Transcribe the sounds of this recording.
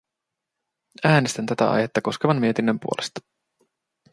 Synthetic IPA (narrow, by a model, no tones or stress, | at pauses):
æːnest̪ænt̪æt̪æ̰ʔɑ̰jhet̪ːɑko̞skeʋɑnmie̞t̪inːəmpuolest̪ɑ̥